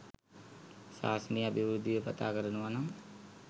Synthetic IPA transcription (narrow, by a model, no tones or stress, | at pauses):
sa̰ːsəniːɐbʱiʋɾud̪ʱːiʋepɐ̰t̪aːkəɾənuʋanɐm